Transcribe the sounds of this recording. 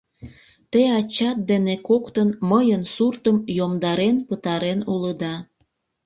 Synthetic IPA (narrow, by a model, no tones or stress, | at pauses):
t̪eɑt͡ɕɑt̪̚d̪enekokt̪ənməjənsurt̪əmjomd̪ɑɾenpət̪ɑɾenuləd̪ɑ